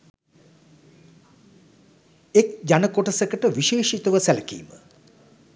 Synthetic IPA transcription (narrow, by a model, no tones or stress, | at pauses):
ek̚d͡ʒanəkoʈəsəkəʈəʋiʃeːʃit̪əʋəsæləkḭːmə